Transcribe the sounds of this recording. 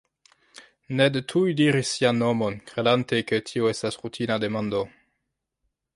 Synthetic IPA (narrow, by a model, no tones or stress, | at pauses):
nedetʰujdiɾisːianːomonkɾedantekətʰioestasʁutʰinademando